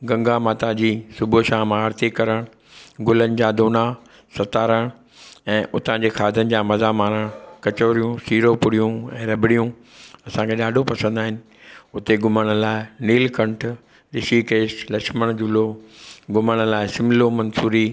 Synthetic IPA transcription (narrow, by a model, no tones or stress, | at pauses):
ɡɐ̃ŋɡamaːt̪ad͡ʑiːsʊbʱoʃaːɦmãːɾt̪ikɐɾəɽ̃ | ɡʊlənɪ̆d͡ʑaːd̪oːna | sɐt̪aːɾəɽ̃ | ɛ̃ːʔʊt̪ãd͡ʑeːxʰaːd̪ʱənɪ̆d͡ʑaːmɐzamaːɾəɽ̃kɐt͡ɕoːɾijũsiːɾopʊɽijũɛ̃ːɾɐbɪɽijũ | ɐsãkʰeɗaːɖʱopɐsə̃nd̪aːɦɪnɪ̆ | ʊt̪eɡʊməɽ̃̆laːɪniːlkɐ̃ɳʈʰ | ɗɪʃikeːʃlɐkməɽ̃d͡ʑʊloɡʊməɽ̃̆laːɪsɪmlomɐ̃nsuːɾi